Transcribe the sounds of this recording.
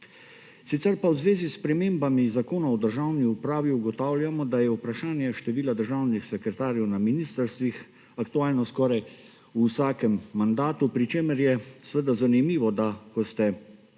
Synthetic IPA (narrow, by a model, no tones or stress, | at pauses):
sit̪sɛɾpawzʋeːzispɾɛmeːmbamizakoːnaɔd̪əɾʒawniupɾaːʋiuɡɔt̪aːwlʲjamɔd̪ajɛupɾaʃaːnjɛʃt̪ɛʋiːlad̪əɾʒawnixsɛkɾɛt̪aːɾjɛwnaminiːst̪əɾst̪ʋix | akt̪uaːlnɔskɔːɾaj | usaːkɛmːand̪aːt̪upɾit͡ʃeːməɾjɛsʋəd̪azanimiːʋɔd̪akɔst̪ɛ